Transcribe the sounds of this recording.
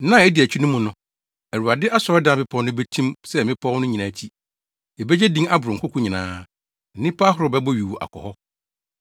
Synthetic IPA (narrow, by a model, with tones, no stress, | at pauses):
nã˦˨ɛ˦di˨æ˨t͡ɕʰᶣu˦nʊ̃˦mũ˨nʊ̃˨ | æ˨ɾu˨a˨dɪ˦ʔa˦sɔ˨ɾdã˨˦˨bɪ˦pʰɔ̃˦nʊ̃˦bɛ˦tʰĩ˦msɛ˦˨mɪ̃˦pʰɔ̃˦nʊ̃˦ɲĩ˨nã˨t͡ɕʰi˦ | ɛ˨bɛ˦d͡ʑɛ˦dĩ˦ŋa˦bʊ˨ɾʊ˨ŋ̩˨kʰʊ˦kʰʊ̃˦ɲɪ̃˨nãː˨˦ | n̩˨nĩ˦pʰa˦ɦʊ˦ɾʊ˨bɛ˦bɔ˦ɥi˨wu˨ʔa̰˨kʰɔ̰˨hɔ˦